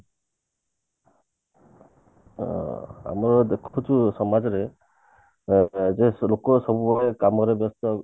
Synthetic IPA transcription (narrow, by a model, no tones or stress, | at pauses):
a̰mɔɾɔd̪ekʰt͡ʃʰusɔmad͡ʒɔɾe | d͡ʒelokɔsɔbubʱabekamɔɾebjɔst̪ɔ